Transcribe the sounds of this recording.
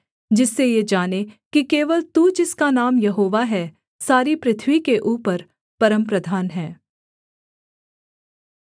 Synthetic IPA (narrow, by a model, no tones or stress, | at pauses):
d͡ʒɪsːejed͡ʒaːnekikeːʋəlt̪ud͡ʒɪskanaːmjɐɦoːʋaɦɛː | saːɾipɾɪt̪ʰwikeʔuːpəɾ | pɐɾə̃mpɾəd̪ʱaːnɦɛː